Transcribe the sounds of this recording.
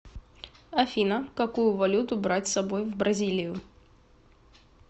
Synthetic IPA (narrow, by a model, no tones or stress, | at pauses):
ɐfʲinəkɐkujʊvɐlʲut̪ʊbɾatʲsɐbojvbɾɐzʲilʲɪjʊ